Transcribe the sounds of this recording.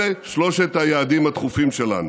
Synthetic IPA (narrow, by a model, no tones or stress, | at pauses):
eʃlo̞ʃet̪hajaːd̪imat̪χufimʃela̰nu